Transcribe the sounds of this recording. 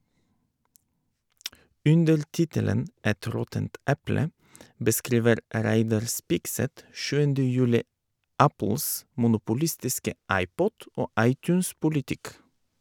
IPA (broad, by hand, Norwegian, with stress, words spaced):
ˈʉndəɾ ˈtɪtələn ˈɛt ˈɾɔtənt ˈɛplə bəˈskɾiːʋəɾ ə ˈɾæɪdɑɾ ˈspɪkˌsɛt ˈʃʉːəndə ˈjʉːlɪ ˈæpl̩s mʊnʊpʊˈlɪstɪskə ˈɑɪˌpɔt ˈoː ˈɑɪˌtʉːnspʊlɪˌtɪk